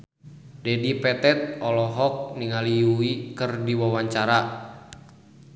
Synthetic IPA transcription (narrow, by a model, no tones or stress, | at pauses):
dɛdipɛt̪ɛt̪̚ɔlɔɦɔk̚niŋaliuikɨrdiwawaɲt͡ʃaɾa